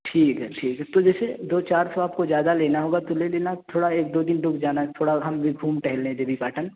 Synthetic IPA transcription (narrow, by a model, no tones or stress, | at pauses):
ʈʰiːkɦʈʰiːkt̪od͡ʒɛːsed̪oːt͡ʃaːɾsoaːp̚kozjaːd̪aleːnaɦoːɡat̪oleleːnat̪ʰoːɽaeːk̚d̪oːd̪ɪnɖʊkʰd͡ʒaːnat̪ʰoːɽaɦɐmbʱiɡʱuːmʈɛɦɛlːẽd̪ebʱipaːʈən